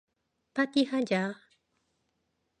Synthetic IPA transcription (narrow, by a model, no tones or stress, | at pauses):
pat̪ihad͡ʒa